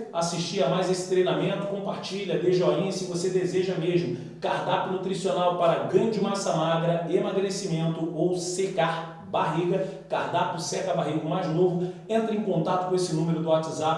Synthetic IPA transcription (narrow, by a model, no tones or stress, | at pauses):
asiʃt͡ʃiɐmajzesɪ̥t̪ɾejnamẽnt̪ʊ̥kõpaɾt͡ʃiʎɐd̪eʒd͡ʒɪalĩɐ̃sĩvosed̪ezeʒɐmeʒmʊ | kaɾd̪apɪnut̪ɾisionawpaɾɐɡɾɐ̃d͡ʒɪmasɐmaɡɾɐemaɡɾesimẽnt̪ʊowsekaɾ | baɦiɡɐkaɾd̪apʊsɛkɐbaɦiɡʊmajznovʊẽnt̪ɾɐẽkõnt̪at̪ʊ̥kõesɪnũmeɾʊd̪ʊat͡ʃiza